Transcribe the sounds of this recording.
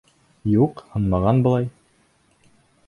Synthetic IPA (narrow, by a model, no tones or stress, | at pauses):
juqhɤnmɑʁɑnbɤ̆lˠɑj